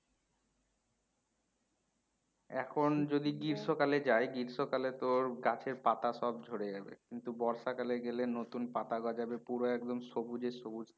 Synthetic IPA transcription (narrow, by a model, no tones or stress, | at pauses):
ɛ̰kʰond͡ʑod̪iɡiɾʃokaled͡ʑajɡiɾʃokalet̪oɾɡat͡ɕʰeɾpat̪aʃɔb̚d͡ʑʱoɾed͡ʑabḛkint̪ubɔɾʃakaleɡelenot̪unpat̪aɡɔad͡ʑabepuɾoɛk̚d̪omʃobud͡ʑeʃobud͡ʑ̪